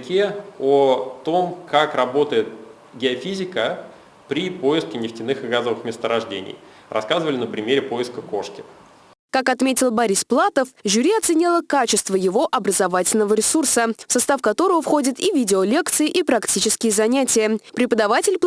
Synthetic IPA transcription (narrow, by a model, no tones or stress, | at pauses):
kʲeot̪o̞mkakrɐbo̞t̪əjɪt̪̚ | ɡʲɪɐfʲizʲɪkə | pɾʲipo̞ɪskʲɪnʲɪftʲɪnɨxɨɡazəvɨxmʲɪst̪əɾɐʐdʲḛnʲɪ̰j | rɐ̰skazɨvəlʲɪnəpɾʲɪmʲeɾʲɪpojɪskəko̞ʂkʲɪ̥ | kakɐt̪mʲetʲɪlˠbɐɾʲisplˠat̪əfʒʊɾʲiɐt̪sɨnʲilˠəkat͡ɕɪst̪vəjɪvo̞ʔɐbɾəzɐvatʲɪlʲnəvəɾʲɪsursəfsɐst̪afkɐt̪o̞ɾəvəfxo̞dʲɪt̪ivʲidʲɪolʲe̞kt̪sɨɪʔipɾɐktʲit͡ɕɪskʲɪjəzɐnʲætʲɪjəpɾʲɪpəd̪ɐvatʲɪlʲ